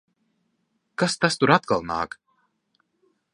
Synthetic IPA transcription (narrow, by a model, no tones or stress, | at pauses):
kast̪ast̪uɾat̪̚kalˠna̰ːk